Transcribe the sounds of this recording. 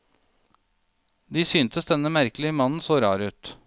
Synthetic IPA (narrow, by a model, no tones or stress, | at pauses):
d̪iːsyːnt̪əsd̪ɛnːəmæɾklɪəmɑnn̩soːɾɑ̰ːɾʉːt̪